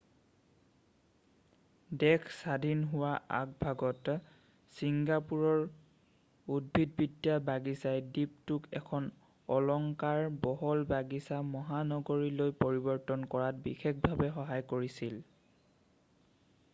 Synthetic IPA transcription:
dɛkʰsadʱinɦʊwaʔa̰k̚bʱaɡɔt | siŋɡapuɹɔɹ | ud̚bʱid̚bidjabaɡisajdip̚tʊkɛ̰kʰɔn | ɔlɔŋkaɹbɔɦɔlbaɡisamɔɦanɔɡoɹilojpoɹibɔɹtɔnkɔɹatbixek̚ʰbʱabɛxɔɦajkoɹisil

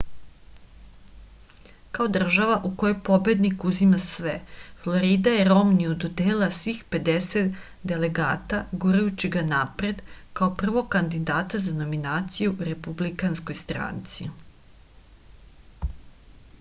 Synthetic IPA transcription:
kao̞d̪r̩ʒaʋaʔuko̞jojpo̞bje̞d̪nikuzimasʋeflˠo̞ɾiːd̪ajeɾo̞mniud̪od̪eːlasʋixpe̞d̪eset̪ | d̪e̞le̞ɡa̰ːt̪aɡuɾajut͡ɕiɡanapɾe̞d̪kao̞pr̩ʋo̞ɡ̚kand̪id̪aːt̪azano̞minaːt̪sijuɾe̞publikansko̞jst̪ɾa̰ːnt̪sḭ

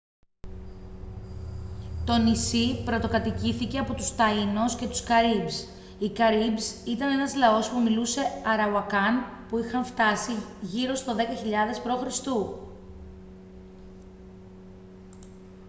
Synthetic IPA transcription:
t̪o̞nisipɾo̞t̪o̞kɐt̪iciθice̞ɐpo̞t̪ust̪ɐinosce̞t̪u̥skɐɾibs | ikɐɾibsit̪ɐne̞nɐzlɐo̞spumiluse̞ɐɾɐuwɐkɐnpuixɐɱft̪ɐsiʝiɾo̞st̪o̞ðe̞kɐçiʎɐðe̞spɾo̞xɾist̪u

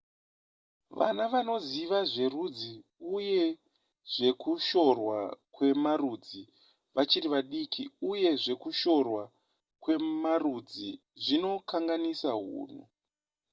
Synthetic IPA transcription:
ʋa̰naʋano̞ziʋaʐe̞rud͡ziuje̞ | ʐ̥e̞kuʃo̞rwakwe̞marud͡zi | ʋat͡ʃiriʋaɗikʰiuje̞ʐe̞kuʃo̞rwa | kwe̞marud͡zi | ʐino̞kaŋɡanisaɦṵːn̤ṵ

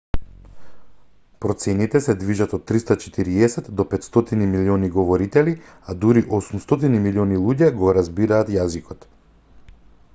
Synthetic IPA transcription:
pɾɔt̪sɛnit̪ɛsɛd̪viʒat̪ɔt̪ːɾist̪at͡ʃɛ̥t̪iɾiɛsɛt̪d̪ɔpɛt̪st̪ɔt̪inimiliɔniɡɔvɔɾit̪ɛli | ad̪uɾiʔɔsumst̪ɔt̪inimiliɔnilˠuɟɛɡɔɾazbiɾaːt̪jazikɔt̪

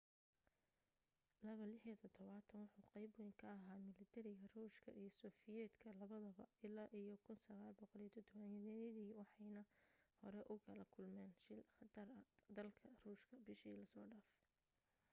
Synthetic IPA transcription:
lɐβɐlɪħit̪ʰɔt̪ʰɔβaːt̪ʰɐnwʊħuːqɑjbwijŋkʰɐːɦaːmɪlɪt̪ʰɛɾɪɣɐruːʃkʰɐ̰ʔijɔsɔːfɪjɛːd̪kʰɐlɐβɐðɐβɐɪlaːʔijɔkʰʊnsɐɣaːlbɔqɔlijɐt̪ʰɔd̪ɔβɐnjɛðɛjðiːwɑħɑjnɐhɔɾɛʔʊkʰɐlɐkʰʊlmɛːnʃɪlχɑt̪ʰɐrɐd̪ɐlkʰɐruːʃkʰɐbɪʃiːlɐsɔːɖaːf

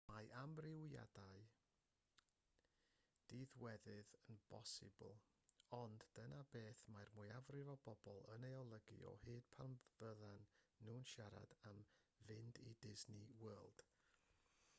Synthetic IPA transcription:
majʔamrɪwja̰daɨ | d̥iːðwɛðɨðənb̥ɔsɪ̰b̰lˠ | ɔndd̥ənabeːθmajrmʊɨavrɪvɔbɔbɔlˠənejɔlˠəɡḭɔ̰hɨːd̥̚pʰalmv̥əðanːuːnʃaɾa̰d̥amvɪndidɪznɪwɛːlˠd̥

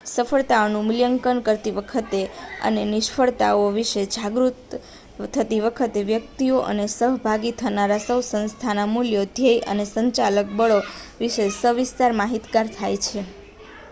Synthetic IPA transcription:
səfʰəɭt̪aonũmɪljəŋkənkəɾt̪iʋəkʰət̪eə̰nenɪʃfʰəɭt̪a̰oʋiʃed͡ʒʱaɡɾut̪ʰː | ət̪iʋəkʰət̪eʋjəkt̪ioʔə̰nesəɦbʱaɡit̪ʰənaɾasəʋsə̃nst̪ʰanamuljod̪ʱjəjʔə̰nesəɲt͡ʃalək̚bəɭoʋiʃesəʋɪst̪aɾmaɦit̪ɡaɾt̪ʰajt͡ʃʰe

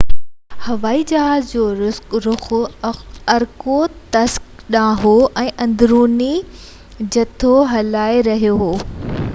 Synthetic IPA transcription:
hɐʋaːid͡ʑɐɦaːzd͡ʑoːɾɾʊ | ɐɾkot̪ɐsk | ɗãːɦoʔɛ̃ːʔɐ̃nd̪ɾuːni | d͡ʑɐt̪ʰoɦɐlaːeɾɐɦijoɦoː

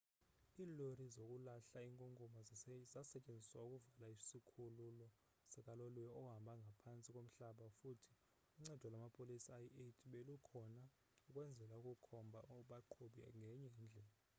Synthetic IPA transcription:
iːlorizok̬ʼulaɬaiŋkʼoŋɡʱumazasɛcʼend͡zʱiswauk̬ʼuvalaisikʰululɔ | sɛkʼaloluɛɔɦambʱaŋɡʱapʰant͡sʼikʼom̩ɬaɓafutʰi̥ | uŋ͡ǀɛd̥ʱwɔlwamapʼolisaietʼiɓelukʰɔna | ukʼwɛnd͡zʱɛlauk̬ʼukʰɔmbʱaɔɓaǃʰuɓiŋɡʱɛɲɛːnd͡ɮʱɛ

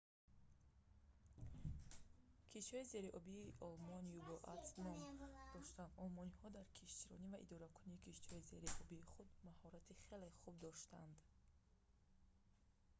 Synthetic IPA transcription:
kʰiʃt̪hɔize̞ɾiʔɔbiːʔɔlmɔnjuɡɔʔa̰t̪snɔmd̪̥ɔʃt̪and̪ɔlmɔnihɔd̪aɾkʰiʃt̪iɾɔnivaʔḭd̪ɔɾakʰuniːkʰiʃt̪ihɔizeɾiʔɔbiːχud̪mahɔɾat̪ʰiχe̞leχub̚d̪ɔʃt̪and̪

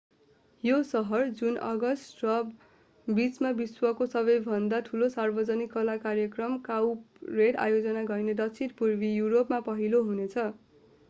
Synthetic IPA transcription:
josʌɦʌrd͡zunʌ̰ɡʌsʈrʌ | bit͡smabiswʌkosʌβʌjbʱʌnd̪aʈʰulosarbʌd͡zʌnikːʌlakarjʌkrʌmkawp | reɽa̰jod͡zʌnaɡʌjned̪ʌt͡sʰit̪purbijuɾopmapʌɦiloɦunet͡sʰʌ

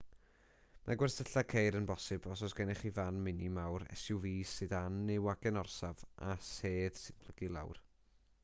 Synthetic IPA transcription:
maɡwɛrsəɬakʰejɾənbɔsɨbɔsɔsɡ̥ɛnɪχivanmɪnimawɾɛ̰suwviːsɨdanːɪwaɡɛnɔrsavʔaseːð̥sɨnb̥ʰlˠəɡ̥ilˠa̰wr

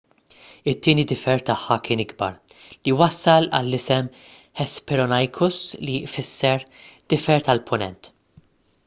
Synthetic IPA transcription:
ɪt̪ːiːnid̪ɪfɛɾt̪ɐħːɐkɪːnɪɡbɐ̰ɾliwɐsːɐlɐ̰lːɪsɛm | ħɛspɛɾɔnɐjkʰʊslifɪsːɛɾd̪̥ɪfɛɾt̪ɐlpʰʊnɛ̰nt̪

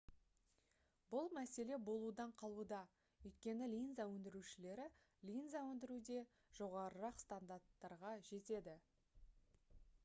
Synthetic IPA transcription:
bʊlˠmæse̞le̞bo̞lˠud̪ɑɴqʰɑlˠud̪ɑ | ɵjt̪kʲe̞nɪlʲinzawɵnd̪ɪɾuʃɪle̞ɾɪ | lʲinzawɵnd̪ɪɾud̪e̞ | ʒ̥o̞ʁɑɾəɾɑqst̪and̪aɾt̪ːɑɾʁɑʒe̞t̪e̞d̪ɪ

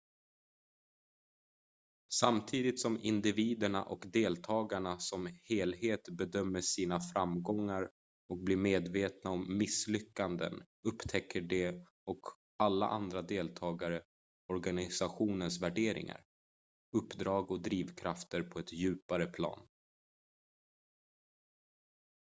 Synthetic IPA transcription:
samt̪ʰiːd̪ɪt̪sɔmɪnd̪ɪviːd̪əɳa̰ʔɔkd̪eːlt̪ʰɑːɡaɳasɔmheːlɦeːt̪bɛd̪œmːəʂiːnafɾamɡɔŋːaɾ | ɔk̚blɪɾmeːd̪veːt̪naɔmːɪslʏkːand̪ə̰n | ɵpːt̪ʰɛkʰːəɖɛ | ɔk | alːa̰ʔand̪ɾad̪eːlt̪ʰɑːɡaɾə | ɔɾɡanɪsaɧuːnənsvæɖeːɾɪ̰ŋa̰ɾ | ɵpːd̪ɾɑːɡɔd̪ɾiːvkʰɾaft̪əɾpʰɔɛt̪jʉ̟ːpaɾəpʰlɑ̰ːn

